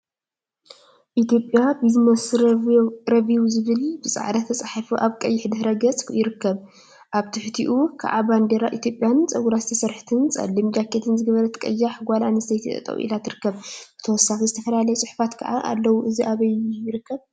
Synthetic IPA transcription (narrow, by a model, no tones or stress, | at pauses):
ʔit̪jo̞pʼːjabɨzmɐs | ɾɐβiwzɨβɨlb̥ɨsʼa̰ʕd̪at̪ʰːɐt͡sʼaħifuʔaβkʼɐjːɪħd̪ɨhɾɐɡɐt͡sʼjɪɾɨkʰːɐβ | ʔaβt̪ʰɨħt̪ʰiʔukʰa̰ʕaband̪eɾaʔit̪ʰjo̞pʼjant͡sʼɐɡuɾazɨt̪ʰɐsɐɾħt̪ʰɨnt͡sʼɐ̰lːimd͡ʒakʰːet̪ʰɨnzɨɡɐβɐɾɐt̪ʰɐ̥kʼɐ̰jːaħɡʷala̰nɐst̪ʰɐjt̪ʰit̪ʼɐ̰t̪ʼɐ̰wʔḭlat̪ʰɨɾɨkːɐβb̥ɨt̪ʰɐwɔsːaxizɨt̪ʰɐfɐlalɐjɛsʼɨħfat̪kʰɐ̰ʕaʔa̰lːɐwuʔɨziʔaβɐjːujɪɾɨkːɐβ